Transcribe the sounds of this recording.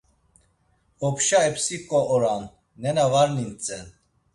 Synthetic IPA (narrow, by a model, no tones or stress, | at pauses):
ɔpʰʃaɛpsikʼɔɔɾanː | ɛnavaɾnint͡sʼɛn